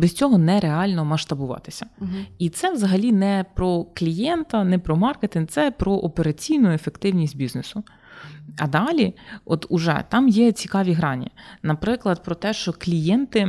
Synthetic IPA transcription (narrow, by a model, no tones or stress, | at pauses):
bɪsʲt͡sʲɔɦɔnɛɾeɑlʲnɔmɐʃt̪ɐbʊʋɑ̰t̪ɪ̥sʲɐit̪sɛʋzɐɦɐlʲinɛpɾɔklʲijɛnt̪ɐnɛpɾɔmɑrket̪ɪnt̪sɛpɾɔʔɔpeɾɐt͡sʲijnʊefekt̪ɪwnʲisʲtʲbʲiznesʊ | ɐd̪ɑlʲiɔt̪ʊʒɛ̰t̪ɑmjɛt͡sʲikɑʋʲiɦɾɑnʲḭnɐpɾɪklˠɐd̪̚pɾɔt̪ɛʃt͡ʃɔklʲijɛnt̪ɪ